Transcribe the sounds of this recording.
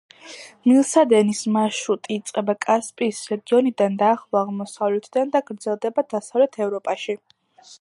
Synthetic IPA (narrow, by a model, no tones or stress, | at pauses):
milˠsad̪ɛnismaʃut̪ʼiːt̪sʼqʼɛbakʼaspʼiːsɾɛɡiɔnid̪and̪aːχlˠaaʁmɔsavlɛt̪ʰd̪and̪aɡɾd̪zɛlˠd̪ɛbad̪asavlɛt̪ʰɛvɾɔpʼaʃi